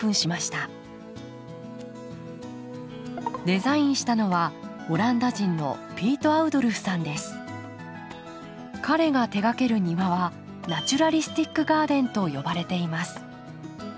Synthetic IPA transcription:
ɯ̟̃ɰ̃ɕimaɕi̥t̪a | d̪e̞zaĩɰ̃ɕi̥t̪ano̞βa | o̞ɾãnd̪aʑĩnːo̞̰pʲiːt̪o̞aɯ̟d̪o̞ɾɯ̟ɸsãnd̪e̞sɨ̥ | kaɾe̞ɡat̪e̞ɡake̞ɾɯ̟ɲ̟iβaβa | nat͡ɕɨɾaɾʲisɨ̥t̪ʲikːɯ̟ɡaːd̪ẽ̞nt̪o̞jo̞baɾe̞t̪e̞imasɨ̥

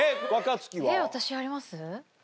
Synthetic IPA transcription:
eakat͡sɨ̥kʲiβeβat̪aɕiβaːɾʲimasɨ

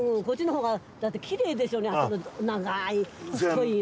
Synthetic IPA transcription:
ɯ̃kot͡ɕːinohoːɡa | d̪at̪ːe̞kʲʰiɾe̞ːd̪e̞sɨoːneanonaɡaikʰoi

